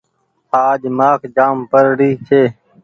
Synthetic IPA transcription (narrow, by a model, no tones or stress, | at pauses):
aːdmaːkd͡ʒaːmpəɾɽiːt͡ɕʰeː